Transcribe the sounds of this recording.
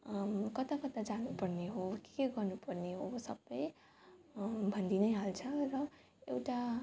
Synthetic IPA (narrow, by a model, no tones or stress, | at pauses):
kʌt̪akʌt̪ad͡zanupʌrneɦoke̥keɡʌrnupʌrneɦosʌbːʌj | bʱʌnd̪inʌjɦalt͡sʰʌrʌ | ewʈa